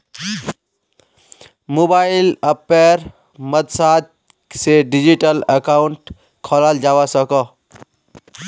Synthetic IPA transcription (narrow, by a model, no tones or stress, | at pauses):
mobailəpːeɾ | məd̪sat̪̚ | seɖid͡ʒiʈələkauɳʈ | kʰɔləld͡ʒawasəkɔ